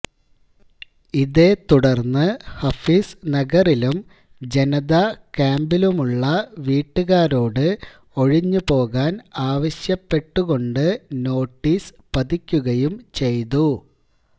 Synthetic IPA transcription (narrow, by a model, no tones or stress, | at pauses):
iðe̞t̪uɽɐrnːɨhɐfiːsnɐɡɐrilum | d͡ʑe̞nɐðɐkaːmbilumuɭːɐʋiːʈːɨɣaːɾo̞ːɽɨ | o̞ɻiɲːupo̞ːɣaːnaːʋɐɕjɐpːe̞ʈːuɣo̞ɳɖɨno̞ːʈːiːs | pɐd̪ikʲːuɣɐjumt͡ɕe̞jt̪u